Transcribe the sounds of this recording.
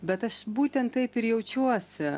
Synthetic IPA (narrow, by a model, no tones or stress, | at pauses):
bʲɛt̪ɐʃbuːt̪ʲɛnt̪̚t̪ɐɪpɪɾjɛʊt͡ʃʲuɔsʲʊ